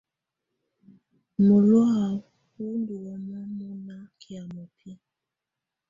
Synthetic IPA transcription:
mu˨lwa˦a˨ | hu˦ndu˨wɔ˨na˦mu˦na˦kʰi˨a˨mo˨pʰi˦

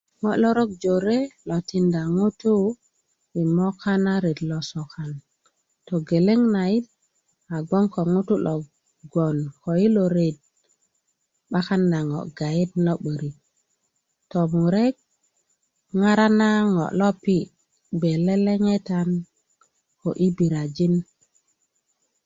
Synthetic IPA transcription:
ŋo˨ʔlo˦ɾo˦k̚d͡ʒo˨ɾe˦lo˨ti˨nda˨ŋu˦tu˦ | wi˨mo˦ka˦na˦ɾe˨dlo˨so˨ka˨n | to˨ɡe˨le˦ŋna˨ji˦t̚ | a˨ɡo˦ŋko˨ŋu˦tu˦lo˨ | ɡo˨nko˨ji˦lo˨ɾe˨d̚ | ɓa˦ka˦nːa˨ŋo̰˨ɡa˨ji˦tno˦ɓə˨ɾi˨ | to˨mu˨ɾe˦k̚ | ŋa˦ɾa˦na˦ŋo̰˨lo˦pi˦ | be˨le˦le˦ŋe˦ta˨n | ko˨ʔi˦bi˨ɾa˨d͡ʒi˦n

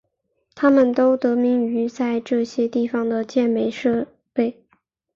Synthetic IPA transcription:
t̪ʰa˥mə˨nt̪o˥ʊt̪ɤ˧˥mi˧˥ŋy˧˥t͡sa˥˧ɪʈ͡ʂɤ˥˩ɕjɛ˥t̪i˥˩fɑ˩ŋd̪ə˨t͡ɕjɛ˥˩nme˧˥ɪʂɤ˥˧ | pe˥˩ɪ

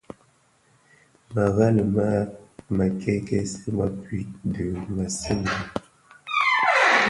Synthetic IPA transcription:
ma˨ɣa˦lə˨ma˦ma˨kɛ˦kɛ˦se˦ma˨pɥi˦də˨ma˨se˦n˨a˨

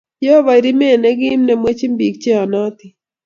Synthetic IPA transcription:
jɔ˦ɔ˦βa˨i˨ɾi˦me˦˨nɛ˦ɡɪː˦mnɛ˨mwe˦t͡ʃi˦mbi˨k̚t͡ʃe˦ɔ˨nɔ˦t̪ɪ˨

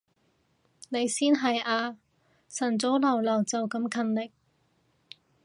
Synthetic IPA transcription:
ne˨˧jsiː˥nɦɐ˨jaː˧ | sɐ˨˩nt͡so˨˥wlɐ˨˩wlɐ˨˩wt͡sɐ˨wkɐ˧˥mkʰɐ˧nlɪ˨k̚

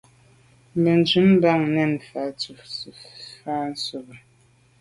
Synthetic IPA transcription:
m̩˨bɛ˨n˨d͡ʒʉ˨˦m˦ba˦˨ŋnɛ˦˨n˨fa˨˦t͡su˨sfa˦n̩˦so˨bə˨

